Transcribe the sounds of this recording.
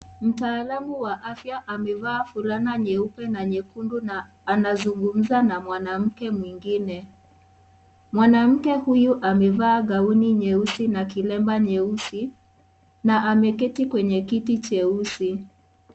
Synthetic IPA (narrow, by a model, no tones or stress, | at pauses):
m̩taːlamuwaʔafjaʔamɛvaːfuɾanaɲɛupɛnaɲɛkundunaː | nazuŋɡum̩zanamwanam̩kɛmwiŋɡinɛ | mwanam̩kɛhujuʔamɛvaːɡauniɲɛusinakilɛmbaɲɛusi | naʔamɛkɛtikwɛɲɛkitit͡ʃɛusi